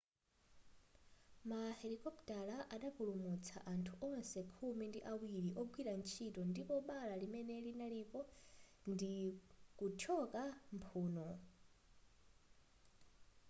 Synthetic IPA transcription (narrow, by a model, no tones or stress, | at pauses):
mahɛɾikʼɔptʼalaʔaɗakulumut͡sʰa̰ʔantʰuʔɔɔnsɛkʰumindiʔawiɾiʔɔɡwiɾant͡ʃʰitɔndipɔɓalalimɛnɛlinalipɔndikut͡ʃʰɔkampʰuːnɔ